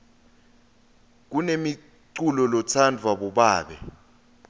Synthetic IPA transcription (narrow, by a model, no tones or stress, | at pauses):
k̬unemi | ǀulɔlɔt͡sʰandʱwaɓɔɓaːɓɛ̰